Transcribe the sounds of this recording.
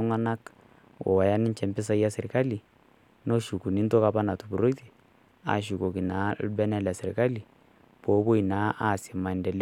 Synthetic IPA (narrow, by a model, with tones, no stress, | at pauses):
ŋa˦na˦k | wɔ̰˨wa˨ja˦nɪ˦nt͡ʃɛ˨mpɪ˦s̬a˦ja˦sɪ˨ɾka˦li˨ | no˦ʃu˨ku˨ni˦nto˦ka˦pa˦na˨tu˨bu˨ɾo˦ti̥˨ | a̰˨ʃ̬u˨ko˨ki˨na˨˦bɛ˦na˦la˨sɪ˨ɾɪ˨ka˦li˨ | b̥o˨˦bo˦i˨naː˨˦ʔa˦˨sɪ˨ma˨ndɛ˨l